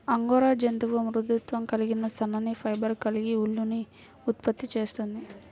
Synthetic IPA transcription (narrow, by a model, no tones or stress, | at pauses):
ɐŋɡɔːɾaːd͡ʒɐnd̪uʋɐmɾud̪ut̪ʋɐmkɐliɡinɐsɐnɐnipʰɐjbɐɾkɐliɡiuɭːuni | ut̪pɐt̪ːit͡ʃe̞ːst̪und̪i